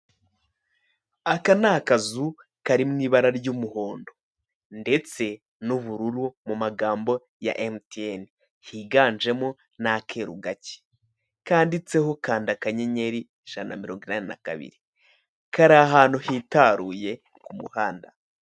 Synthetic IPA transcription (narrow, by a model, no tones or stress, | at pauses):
akanakazu | kaɾimŋiːβaɾaɾɟumuho̞ːndo̞ | nde̞t͡se̞ | nuβuɾuɾumumaɡaːmbo̞ | ja̰ʔemtien | hiɡaːnd͡ʒe̞mo | nakʰe̞ɾuɡace̥ | kaːndit͡se̞ɦo̞kaːndakaɲeɲe̞ɾi | ʒ̥ana̰miɾo̞ːŋɡwinanina̰ka̰βḭɾi | kaɾaɦaːnuhitaɾuːje̞ | kumṵhaːnda